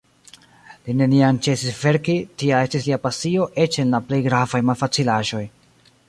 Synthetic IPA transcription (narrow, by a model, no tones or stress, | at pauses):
line̞niant͡ʃe̞sisve̞ɾkitiae̞stisliapasio̞ʔe̞t͡ʃe̞nlaple̞jɡɾavajmalfat͡silaʒo̞j